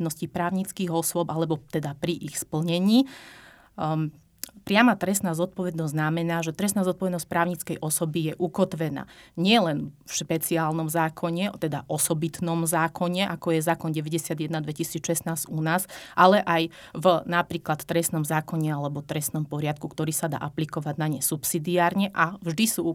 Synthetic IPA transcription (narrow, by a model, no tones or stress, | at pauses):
d̪nɔscipɾaːʊɲit͡skiːɣɔsʊɔbalɛbɔt̪ɛd̪apɾiʔixspl̩ɲɛɲiː | pɾɪamat̪ɾɛsnaːzɔt̪̚pɔʋɛd̪nɔzʲznamɛnaːʒɛt̪ɾɛsnazɔt̪̚pɔʋɛd̪nɔsc̚pɾaːʊɲit͡skɛjʔɔsɔbijɛʔukɔt̪ʋɛna̰ːɲɪɛlɛnfʃpɛt͡siaːlnɔmzaːkʰɔɲɛt̪ɛd̪aʔɔsɔbit̪nɔmzaːkʰɔɲɛʔakɔjɛzaːkɔnɟɛʋɛɟɛsɪad̪jɛd̪nad̪ʋɛcisiːt͡sʃɛsnaːz̥unaːzʔalɛʔaj | vnapɾiːklat̪ːɾɛst̪nɔmzaːkɔɲɛalɛbɔt̪ɾɛst̪nɔmpɔɾɪat̪̚kukt̪ɔɾiːsad̪a̰ːʔaplikɔʋaɟnaɲɛsupsiːd̪iaːɾɲɛʔavʒd̪isu